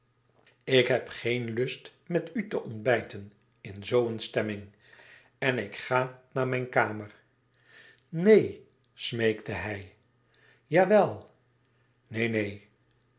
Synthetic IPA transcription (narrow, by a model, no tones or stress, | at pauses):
ɪkɦɛpχejnlɵst | mɛtytəʔɔndbɛjtən | ɪnzowənstɛmɪŋ | ɛnɪkχaːnaːɹmɛjnkaːməɹ | nej | smejktəɦɛj | jaːʋɛlˠ | nejnej